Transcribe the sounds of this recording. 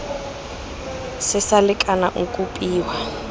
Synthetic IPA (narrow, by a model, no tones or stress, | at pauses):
sɪsalɪkʼanaʔukʼupʼiːwa